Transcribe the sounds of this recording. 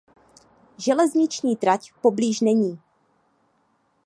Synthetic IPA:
ʒɛlɛzɲɪt͡ʃɲiːd̪ɾacpo̞bliːʒnɛɲiː

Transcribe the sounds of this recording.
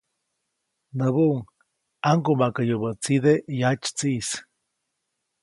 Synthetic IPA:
nəβuuŋ | aŋkumakəjobət͡sid̪ejat͡ʃt͡siːs

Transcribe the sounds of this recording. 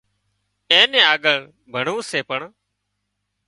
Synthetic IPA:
ẽːnẽːaːɠəɭ | bʱəɳuːseːpəɳ

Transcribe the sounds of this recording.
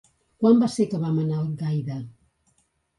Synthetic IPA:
kwambasekəβamənaəlˠɡajðə

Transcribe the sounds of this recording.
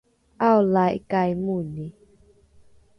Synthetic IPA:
ʔawlajʔkajmuni

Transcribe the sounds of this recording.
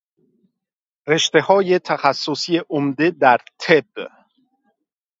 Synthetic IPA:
re̞ʃt̪e̞hɒːje̞t̪ʰæxæsːosijeʔomd̪e̞d̪æɾt̪ʰeb̥

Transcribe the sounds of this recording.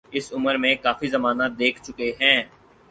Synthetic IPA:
ɪsʊməɾmẽkaːfizɐmaːnad̪eːkʰt͡ʃʊkeɦɛ̃ː

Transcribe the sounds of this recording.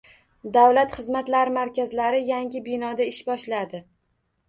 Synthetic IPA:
d̪awlat̪χɨzmat̪laɾɪmaɾkʲazlaɾɪjaŋɡʲɪbɪnɒd̪aɪʃbɒʃlad̪ɪ

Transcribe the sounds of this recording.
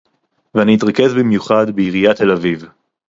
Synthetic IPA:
veaniit̪ʁake̞zbimjuχad̪beiʁijat̪e̞laviv

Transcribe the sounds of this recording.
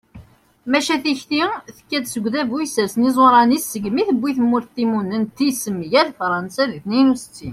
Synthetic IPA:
mæʃæθiçθiθə̥kːæd̪səɡʷðævujsəɾsənizˤoɾˤɑnisːəɡmiθəbːiθəmːuɾθt̪ːimunənt̪ːisəmːʝæðfɾˤɑnsæðiθninust͡sːi

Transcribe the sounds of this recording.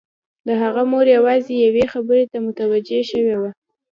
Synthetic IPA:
d̪əɦaɣamoɾjawɑzejawexabəɾet̪amʊt̪awad͡ʒeʃəwewa

